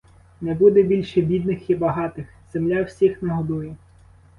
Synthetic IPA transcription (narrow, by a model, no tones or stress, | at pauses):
nɛbud̪ɛbʲilʲʃɛbʲid̪nɪxibɐɦɑt̪ɪx | z̥emlʲawsʲixnɐɦɔd̪ujɛ